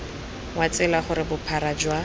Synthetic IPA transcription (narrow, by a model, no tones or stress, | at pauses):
wat͡sɪlaχʊɾɪbʊpʰaɾad͡ʒwa